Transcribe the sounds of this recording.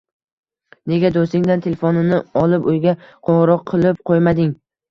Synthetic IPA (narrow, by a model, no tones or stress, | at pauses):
ne̞ɡʲad̪osɪŋd̪ant̪ʰe̞lefonɪnɪɒlˠɪpojɡʲaqʰoʁɾɒqʰːɨlˠɪp̚qʰojmad̪ɪŋ